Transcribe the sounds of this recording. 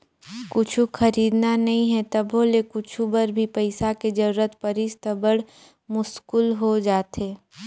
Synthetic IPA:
kʊt͡ʃʰuxʰɐɾiːd̪nanɐɦĩɦɛt̪ɐboːlekʊt͡ʃʰubɐɾbʱipɐɪsaked͡ʒɐɾuːɾət̪pɐɾɪst̪əbəɽ | mʊskʊlɦod͡ʒaːt̪ɦeː

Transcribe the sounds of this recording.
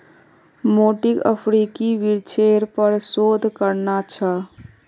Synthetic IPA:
moʈikə̰pʰɾikiʋiɾt͡ʃʰeɾpəɾsod̪ʱkəɾnat͡ʃʰə

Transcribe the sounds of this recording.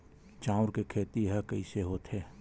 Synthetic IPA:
t͡ʃãːʊɾkekʰeːt̪iɦəkɐiseɦoːt̪ɦeː

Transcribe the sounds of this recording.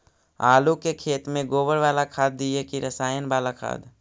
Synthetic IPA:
a̰ːlukekʰeːt̪mẽɡoːbəɾʋaːlakʰaːd̪̚ːiekiɾəsaːjənbaːlakʰa̰ːd̪

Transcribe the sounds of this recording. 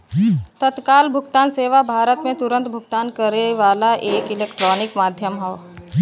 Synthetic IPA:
t̪ət̪kaːlbʱʊɡt̪aːnseːʋabʱaːɾət̪mẽt̪ʊɾə̃nt̪bʱʊɡ̚t̪aːnkəɾeʋaːlaʔeːkɪleːkʈɾɔːnɪkmaːd̪ʱjəmɦɛː

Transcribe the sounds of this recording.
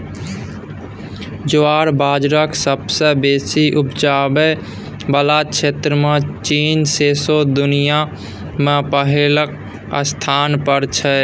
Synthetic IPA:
d͡ʒoaɾbaːd͡ʒɾəksəbsə̃besiʔupd͡ʒabɛ | bəlat͡ʃʰet̪ɾəmẽt͡ʃiːnsesod̪ʊnija | mepəɦelək̚ | ə̰st̪ʰanpəɾt͡ʃʰɛ

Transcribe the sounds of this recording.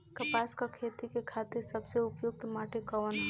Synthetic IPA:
kəpaskakʰet̪ikekʰat̪iɾsəbseʊpjuɡ̚t̪maʈekəʋən

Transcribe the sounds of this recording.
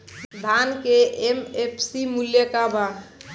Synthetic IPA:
d̪ʱaːnkeemepʰsimuljəkaba

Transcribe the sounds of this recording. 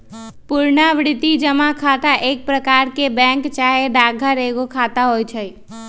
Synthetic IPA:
puɾnaʋɽɪt̪id͡ʒəmakʰat̪aʔeːk̚pɾəkaːɾkebɛ̃ŋkt͡ʃaɦeɖaɡʱəɾeɡokʰat̪aɦojt͡ʃʰəj

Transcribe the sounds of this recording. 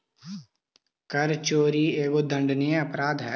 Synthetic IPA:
kɐɾt͡ʃoːɾieːɡod̪ɐ̃ɳɖnijẽɐpɾaːd̪ɦɛː

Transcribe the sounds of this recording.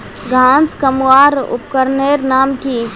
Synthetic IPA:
ɡʱãːnskəmwaːɾʊ̰p̚kəɾneːɾnaːmki

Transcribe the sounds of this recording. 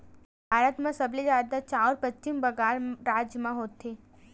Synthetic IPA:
bʱaːɾət̪mãsɐblizaːd̪at͡ʃaːɔːɾpət͡ʃt͡ʃimbɐɡaːlɾaːd͡ʒjmãɦoːt̪ːeː

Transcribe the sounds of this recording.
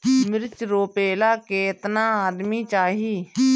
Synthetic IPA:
mɪɾt͡ʃɾoːpeːlaːkeːt̪nãːaːd̪miːt͡ʃaːɦiː

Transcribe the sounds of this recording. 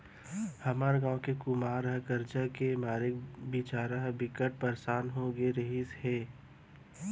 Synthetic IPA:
hɐmaːɾɡãːõkekʊmaːɾɦɛ̃kɐɾd͡ʒakemaːɾɪkbiːt͡ʃaːɾaɦbɪkəʈ̚pɐɾsaːnɦõɡeɾəɦisheː

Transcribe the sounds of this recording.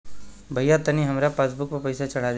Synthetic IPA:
bʱɐjat̪ɐniɦɐmɾapaːsbʊkpɐpɐjsat͡ʃɐɽ̤ad̪

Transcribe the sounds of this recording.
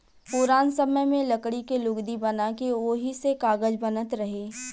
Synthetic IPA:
pʊɾaːnsɐməjmẽlɐkɽikelʊɡd̪ibɐnakeoːɦisekaːɡəd͡ʒbɐnət̪ɾɐɦeː

